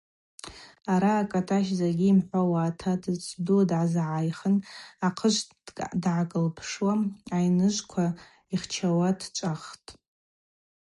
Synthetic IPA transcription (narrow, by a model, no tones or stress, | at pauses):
aɾaːkʼatʰaʃ̬zaɡʲiːmħʷawaːtʰadʰt͡sʰʼdudʕazʕajχənaqʰəʃʷ | dʕakʼəlpʰʂwaajnɨʒʷkʷʰa | iχt͡ʃʰawadt͡ʃʷʼaχtʼ